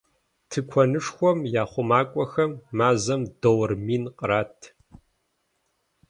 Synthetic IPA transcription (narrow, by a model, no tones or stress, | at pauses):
tʰɨkʷʰɐnɨʂxʷɔmjaːχʷʊmaːkʷʼɔxɐmːaːzɐmdɐwrmiːnqʼəɾaːtʰ